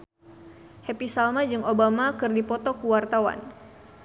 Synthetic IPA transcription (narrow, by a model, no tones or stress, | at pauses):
hɛpisalmad͡ʒɨŋobamakɨrdipɔt̪ɔkuwart̪awa̰n